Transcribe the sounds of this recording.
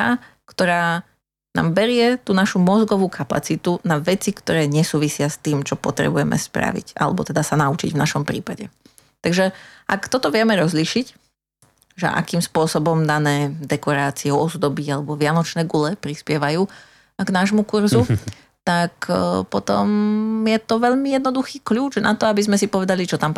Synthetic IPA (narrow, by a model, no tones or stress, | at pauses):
a | kt̪ɔɾaː | na̰ːmbɛɾɪɛt̪uːnaʃumɔzɡɔʋuːkʰapa̰t͡sit̪unaʋɛt͡sikt̪ɔɾɛːɲɛsuːʋisɪast̪iːmt͡ʃɔpɔt̪ɾɛ̰bujɛmʔɛ̰spɾa̰ʋḭca̰lɛ̰bɔ̰t̪ɛd̪asanaut͡ʃḭɟvnaʃɔmpɾḭːpaɟɛ̰ | t̪aɡʒɛʔakt̪ɔt̪ɔʋɪɛmɛɾɔzliʃic | ʒɛ̰ʔa̰kiːmspʊɔsɔbɔmd̪anɛːd̪ɛkɔɾaːt͡siɛɔɔzd̪ɔbiɟalɛbɔʋɪanɔt͡ʃnɛːɡulɛpɾispɪɛʋajuː | ɡnaːʒmukuɾzu | t̪akpɔt̪ɔ̰mjɛt̪ɔʋɛʎmijɛd̪̚nɔd̪uxiːkʎuːd͡ʒnʔat̪ɔabizmɛsipɔʋɛd̪alit͡ʃɔt̪amp